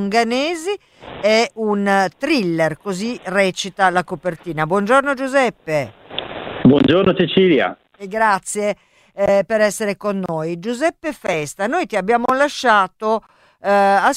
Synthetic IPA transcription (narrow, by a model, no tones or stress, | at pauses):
ŋɡanɛːzi | ɛunt̪ɾilːerkozirɛːt͡ʃit̪alakopert̪iːnabwɔnd͡ʒornod͡ʒuzɛpːe | bwɔnd͡ʒoɾnoset͡ʃiːlja̰ | eɡːɾat̪sːje | peɾɛsːeɾekonːojd͡ʒuzɛpːefɛst̪anoːjt̪iabːjaːmolaʃːaːt̪o | as